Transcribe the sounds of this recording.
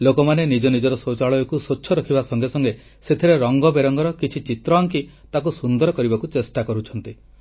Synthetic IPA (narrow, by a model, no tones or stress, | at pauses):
lokɔmanenid͡ʒɔnid͡ʒɔɾɔsot͡ʃaɭɔjɔkusotːt͡ʃʰːɔɾɔkʰibasɔŋɡesɔŋɡe | set̪ʰiɾeɾɔŋɡɔbeɾɔŋɡɔɾɔkit͡ʃʰit͡ʃit̪ɾɔaŋk̬it̪ak̬usund̪ɔɾɔkɔɾibakut͡ʃesʈakɔɾut͡ʃʰɔnt̪i